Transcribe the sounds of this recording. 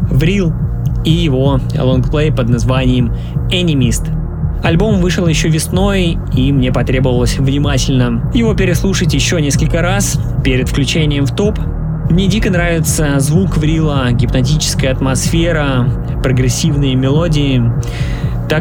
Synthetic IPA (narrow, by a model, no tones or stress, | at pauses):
vɾʲilˠ | ijɪvo̞̰lˠonkplˠejpəd̪nɐzvanʲɪjɪm | ɛnʲɪmʲist̪ | ɐlʲbo̞mvɨʂəlˠjɪɕːovʲɪsno̞j | imnʲepɐt̪ɾʲe̞bəvəlˠəsʲvnʲɪmatʲɪlʲnəjɪvo̞pʲɪɾʲɪslˠuʂətʲjɪɕːonʲe̞skəlʲkəɾas | pʲeɾʲɪt̪fklʲʉt͡ɕenʲɪjəmft̪o̞p | mnʲedʲikənɾavʲɪt̪səzvukvɾʲilˠəɡʲɪpnɐt̬ʲit͡ɕɪ̥skəjəɐt̪mɐsfʲeɾə | pɾəɡɾʲɪsʲːivnəjəmʲɪlˠo̞dʲɪɪ | t̪a